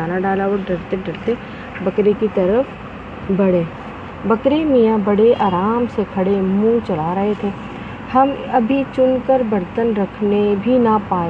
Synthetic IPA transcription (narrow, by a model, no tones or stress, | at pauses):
aːnaɖaːlaɔɾɖɐɾt̪eɖɐɾt̪e | bɐkɾekit̪ɐɾəf | bɐɽeː | bɐkɾemijãbɐɽeʔaːɾaːmsekʰɐɽemũːt͡ʃɐlaɾɐɦet̪ʰeː | hɐmɐbʱit͡ʃʊnkəɾbɐɾt̪ənɾɐkʰnebʱinapaː